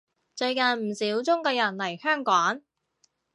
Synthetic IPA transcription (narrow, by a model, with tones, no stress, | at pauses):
t͡ʃɵ˧ɥkɐ˨˧nm̩˨˩siː˨˥wt͡sʊ˥ŋkɔː˧jɐ˨˩nlɐ˨˩jhœː˥ŋkʷɔː˨˥n